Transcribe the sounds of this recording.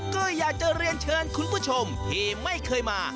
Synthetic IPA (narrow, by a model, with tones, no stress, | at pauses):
kɤː˧jːaː˨˩k̚t͡ɕa˨˧ɾi˧ənt͡ɕʰɤː˧nkʰu˧npʰuː˥˩t͡ɕʰo˧mt̪ʰiː˨˧˩ma˥˩jkʰɤː˧jmaː˧